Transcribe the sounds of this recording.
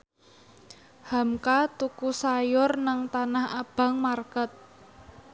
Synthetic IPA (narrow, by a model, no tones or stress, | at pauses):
hamkat̪ukusajʊrnaŋt̪anahab̥a̤ŋmarkət̪̚